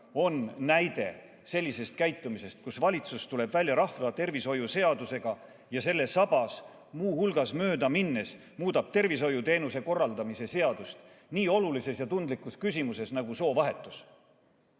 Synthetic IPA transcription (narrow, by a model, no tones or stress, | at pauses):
o̞nːæjd̪e̞ | se̞lʲːise̞st̪̚kæjt̪ːˑumise̞st̪̚kusvɑlʲit̪sust̪ule̞bvælʲjɑɾɑhvɑt̪e̞rviso̞juse̞ɑd̪use̞ɡ̥ɑ | jɑse̞lːe̞sɑb̥ɑs | muːhulɡ̥ɑsmø̞ːd̪ɑminːes | muːd̪ɑb̥̚t̪e̞rvis̬o̞jut̪e̞ːnuse̞ko̞rːɑld̪ɑmise̞se̞ɑd̪̥ust̪ | niːo̞lulise̞sjɑt̪und̪likuskysʲimuse̞snɑɡ̥uso̞ːvɑɦe̞t̪ːˑus